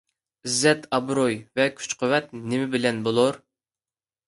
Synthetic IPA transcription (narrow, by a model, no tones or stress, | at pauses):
izːɛt̪ʰɑbɾojvɛkʲʰy̥t͡ʃqʰowɛt̪nɪmɪbɪlɛnbolˠoɾ